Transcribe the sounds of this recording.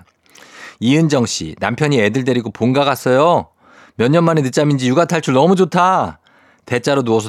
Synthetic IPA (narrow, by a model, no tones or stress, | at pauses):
iɯnd͡ʑʌŋɕ͈ḭnampʰjʌɲiedɯɭde̞ɾiɡoponɡaɡas͈ʌjo | mjʌɲːʌnmanenɯt͡ɕ͈amind͡ʑijuɡatʰaɭt͡ɕʰuɭnʌmud͡ʑotʰa | te̞t͡ɕ͈aɾonuʌsʰʌ